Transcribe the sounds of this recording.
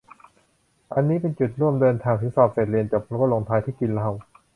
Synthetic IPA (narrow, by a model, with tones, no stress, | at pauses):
ʔa˧nːiː˦˥pe˧nt͡ɕu˨˩t̪̚ɾu˥˩əmdɤː˧nt̪ʰaː˧ŋt̪ʰɯ˩˦sɔː˨˩p̚seː˨˩t̪̚ɾi˧ənt͡ɕa˨˩p̚ʰɾo˦˥kːlo˧ŋt̪ʰaː˧jt̪ʰiː˥˩ki˧nla˦˧˥w